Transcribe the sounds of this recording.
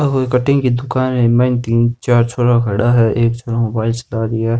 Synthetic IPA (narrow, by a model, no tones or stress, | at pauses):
ɐboɪkəʈɪ̃ŋkid̪ʊkaːnɦɛ̃mãːɪnt̪iːnt͡ʃaːɾt͡ʃʰoːʈaɡʱɐɽaɦɛʔeːkt͡ʃʰoːʈamobaːɪlt͡ʃɐlaɾiɛː